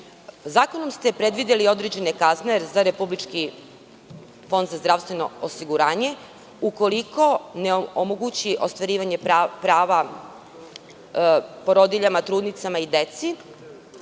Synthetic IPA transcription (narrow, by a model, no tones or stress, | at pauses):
zaːko̞nomst̪e̞pɾe̞d̪ʋid̪elio̞d̪ɾed͡ʑe̞nekazneɾzaɾe̞publit͡ʃki | fo̞nd̪zazd̪ɾaʋst̪ʋe̞no̞̰osiɡuɾaːɲe̞ | uko̞liko̞neoomoɡut͡ɕiʔo̞st̪ʋaɾiːʋaɲepɾaːʋa | poɾo̞d̪iʎamat̪ɾuːd̪nit̪samaid̪e̞t̪si